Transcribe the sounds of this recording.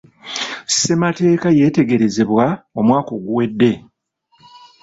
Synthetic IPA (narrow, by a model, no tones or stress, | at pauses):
sse̞mate̞ːkaje̞ːte̞ɡe̞ɾe̞ze̞βwao̞mwaːko̞ɡuwe̞dːe̞